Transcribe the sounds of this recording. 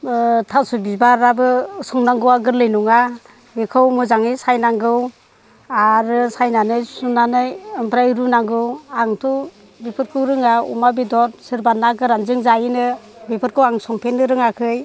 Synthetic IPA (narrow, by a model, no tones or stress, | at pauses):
tʰasubibaɾabɯsɔŋnaŋɡɯwaɡɯɾlɯjnuŋa | bikʰɯwmɯzaŋisajnaŋɡɯw | aɾɯsajnanɯjsunanɯjɯmpɾajɾunaŋɡɯwaŋtʰɔ | bipʰɯɾkʰɯwɾɯŋaṵmabidɔɾsɯɾbanaɡɯɾanzɯŋzajinɯbipʰɯɾkʰɯwaŋsɔŋpʰenːɯɾɯŋakʰɯj